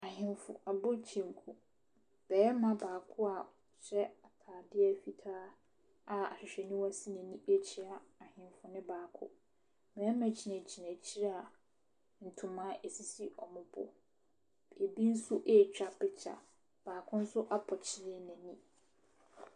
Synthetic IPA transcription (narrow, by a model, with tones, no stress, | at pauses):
a˨ɦɪ̃˨mfʊ̰˨a˨bʊ˦t͡ɕʰĩ˨ŋ˨kʰu˨ | b̥ɛː˨˦mã˦˨baː˨kʰʊ˦a˨ | ɕɛ˦a˨tʰaː˨dɪ˦ɛ˦fi˨tʰaː˦ | a˨a̰˨ɕᶣɪ˨ɕᶣɛ˨nũ˦wa˦si˦næ̃˨nĩ˦ʔe˦t͡ɕʰi˦a˦a˨hɪ̃˨mfʊ˨nɪ̃˦baː˨kʰʊ̰˦ | mɛ̃˨ɛ˦mæ̃˨t͡ɕʰi˨næ̃˨t͡ɕʰi˨næ̃˨t͡ɕʰi˦ɾa˦a˨ | n̩˨tʰʊ̃˨mãː˦ʔe˨si˨si˦ʔɔ˨mʊ̃˨bʊ̰˨ | e˨bi˦n̩˦sʊ˦ʔe˦˨t͡ɕᶣa˨pɪ˨t͡ɕʰa̰˨ | b̥aː˨kʰʊ̃˦n̩˦sʊ˦ʔa˦pʰɔ˨t͡ɕʰɪ˦ɾɪ˦˨næ̃˨nĩ˦